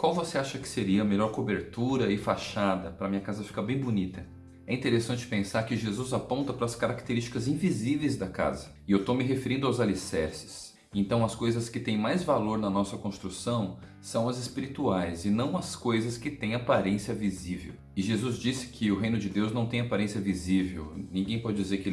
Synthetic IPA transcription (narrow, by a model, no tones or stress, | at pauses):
kwawvoseaʃɐkɪ̥seɾiɐmeʎɔɾkobeɾt̪uɾɐɪfaʃad̪ɐpɾɐmĩɲɐkazɐfi̥kɐbẽj̃bunit̪ɐ | ɛĩt̪eɾesɐ̃nt͡ʃɪ̥pẽsaɾkɪʒezuzapõnt̪ɐpɾɐːskaɾakt̪eɾist͡ʃi̥kɐzĩvizivejzd̪ɐka̰zɐ | ɪewt̪omɪɦefeɾĩnd̪ʊawzalisɛɾsɪ̥s | ẽnt̪ɐ̃w̃ɐskojzɐskɪt̪ẽj̃majzvaloɾnɐnɔsɐkõst̪ɾusɐ̃w̃ | sɐ̃w̃ɐzɪspiɾit̪uajzɪnɐ̃w̃ɐskojzɐskɪt̪ẽj̃apaɾẽsiɐvizivḛw | ɪʒezuzd͡ʒisɪ̥kʰɪʊɦẽj̃nʊd͡ʒɪd̪ewznɐ̃w̃t̪ẽj̃apaɾẽsiɐvizivḛwnĩɡẽj̃pɔd͡ʒɪd͡ʒizeɾkɪ